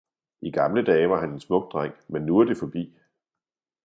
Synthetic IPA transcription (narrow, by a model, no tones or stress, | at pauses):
ʔiɡ̥ɑ̈mləd̥ɛːʋɑ̈hæne̝nsmɔ̽ɡ̥̚d̥ʁaŋ̰menːuɐd̥e̝fɒ̽b̥ḭː